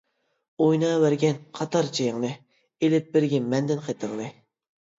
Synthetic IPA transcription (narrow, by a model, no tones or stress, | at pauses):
ojnɑːvæɾɡʲɛnqʰɑt̪ɑɾt͡ʃʰejɪŋnɨ | elɪp̚bɪɾɡʲɛmɛnd̪ɪnqʰet̪ʰəŋnɨ